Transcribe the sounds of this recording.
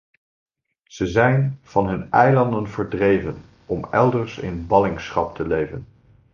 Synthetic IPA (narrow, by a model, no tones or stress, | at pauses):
z̥əzɛjnv̥ɑnɦɵnɛjlɑndənvəɹdrejvən | ɔmɛlˠdəɹsɪ̰nbɑlɪŋsχɑp̚tʰəlejvən